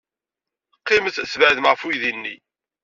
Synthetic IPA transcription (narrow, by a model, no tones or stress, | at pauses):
qːɪməθsvəʕðəmʁəfujðinːḭ